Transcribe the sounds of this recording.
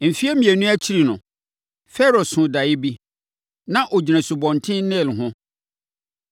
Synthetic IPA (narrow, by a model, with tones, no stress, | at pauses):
m̩˨fi˦ɛ˦mĩ˨æ˨nũ˦æ˦t͡ɕʰi˦ɾi˨nʊ̃˨ | fɛ˦ɾɔ˨sʊ̃˨da˨jɪ˦bi˦ | nã˦ʔɔ˨d͡ʑi˨næ̃˨su˨bɔ̃˨n˨tʰɪ̃˦nɛ̃˦˨lɦʊ̃˦